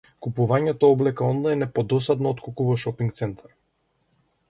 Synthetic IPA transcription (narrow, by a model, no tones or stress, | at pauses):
kupuvaɲɛt̪ɔɔblɛkaɔnlˠajnɛpɔd̪ɔsad̪nɔɔt̪kukuvaʃɔpiŋk̚t̪sɛnt̪ʰaɾ